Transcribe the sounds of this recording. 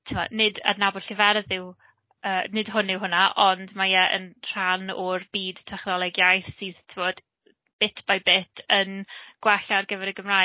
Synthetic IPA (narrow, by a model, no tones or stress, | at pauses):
tʰɪmɔ̰nɪda̰dnabʊd̥ɬivɛrðɪw | əːnɪd̥ɦʊnɪwɦʊnaʔɔndmajɛʔə̰nr̥anɔrb̥iːdtʰɛχnɔlˠɛɡjajθsiːðtʰɪvɔd̥ | b̥ɪtʰb̥ajbɪtʰənɡ̥waɬarɡəvɛɾəɡəmraː